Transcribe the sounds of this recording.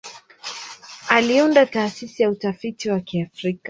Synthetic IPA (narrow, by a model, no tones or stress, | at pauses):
aliundataːsisijautafitiwakiafɾika